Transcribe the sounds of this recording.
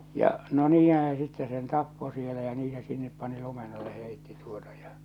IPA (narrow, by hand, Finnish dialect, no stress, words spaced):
jɑ no niːhæ̃ː se sitːe sen tɑpːo sielæ jɑ niː se sinːep pɑni lumen ɑlːe heˑitːi tuotɑ j̊ɑ̥